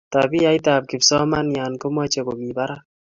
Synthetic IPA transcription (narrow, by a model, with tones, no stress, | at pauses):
ta˨bi˦a˦jta˨p̚kɪ˨bsɔ˦ma˦nja˨nko˦mwa˦t͡ʃɛ˨ko˨mi˨ba˦ɾa˦